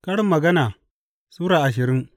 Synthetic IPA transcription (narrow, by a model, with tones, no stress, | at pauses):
kɐ˦ɽɪ˦mːɐ˨ɡɐ˦naː˨ | suː˦ɾaː˨ʔa˨ʃ̬ɪ˨ɾɪ˦ŋ